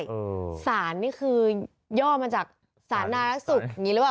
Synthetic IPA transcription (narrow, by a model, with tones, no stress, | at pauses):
saː˩˦nːiː˥˩kʰɯː˧ | jɔː˥˩maː˧t͡ɕaː˨˩k̚ | saː˩˦nːaː˧ɾa˦˥k̚su˨˩k̚ja˨˩ŋːiː˦˥lkaː˨˩